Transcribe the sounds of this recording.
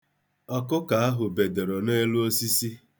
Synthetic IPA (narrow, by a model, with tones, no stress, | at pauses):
ɔ˦kʊ˦ka˨a˦ɦʊ˨be˨de˨ɾo˨ne˦lu˦o˦si˦si˦